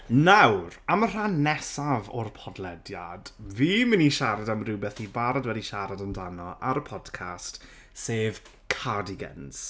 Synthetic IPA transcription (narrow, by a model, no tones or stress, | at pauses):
nawramər̥anːɛsavɔrpʰɔdlˠɛdja̰d̥viːmɪniʃaɾadamrɪwbɛθibaɾadwɛdiʃaɾadəndanɔʔaɾəpʰɔd̥kʰast | seːv | kʰadɪɡə̰nz̥